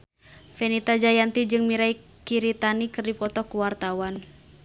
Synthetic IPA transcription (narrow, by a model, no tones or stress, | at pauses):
fenit̪ad͡ʒajant̪id͡ʒɨŋmiɾai | kiɾit̪anikɨrdipɔt̪ɔkuwart̪awan